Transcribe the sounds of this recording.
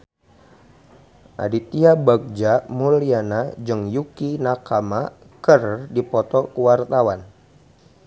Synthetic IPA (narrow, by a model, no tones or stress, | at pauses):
ʔa̰dit̪iabak̚d͡ʒamulianad͡ʒɨŋjukinakama | kərdipɔt̪ɔkəwart̪awan